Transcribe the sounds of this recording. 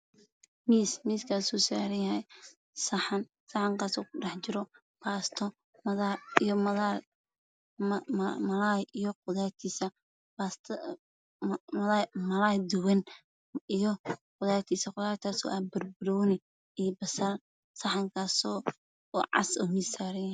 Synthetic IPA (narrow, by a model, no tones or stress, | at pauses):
miːsmiːskʰaːsuːsa̰ːɾɐjɐhɛj | sɐħɑn | sɐħɑŋkaːsɔːʊɖɑħt͡ʃɪɾɔ | baːst̪ʰɔ | mɐðaijɔmɐða | mɐlaːjʔijɔqʊðaːt̪ʰiːsɐ | bast̪ʰ | mɐlaːjd̪ʊwɛn | ijɔqʊðaːt̪ʰiːsɐqʊðaːɾt̪ʰaːsɔ̰ːʔaːbɐrbɪɾɔwnɪ | iːbɐsɐr | sɐħɑŋkʰaːsɔː | ʕɑ̰sɔːmiːsːaːɾɐjɐh